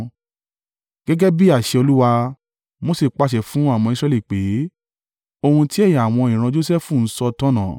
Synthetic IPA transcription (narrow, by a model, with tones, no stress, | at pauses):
ɡ̥ɛ˦ɡɛ˦bi˦a˦˨ʃe˧o˧lu˦wa˧ | mo˦si˦˨k͡pa˧ʃɛ˨fũ˨˦a˦˨w̃ɔ̃˧i˧s̬ɾɛ˧li˨k͡pe˨˦ | o˧hũ˧ti˦ɛ˦˨ja˨w̃ɔ̃˧ĩ˨ɾ̃ã˧d͡ʒo˦sɛ˦fũ˦˨n̩˦sɔ˧tɔ̃˦nã˨˦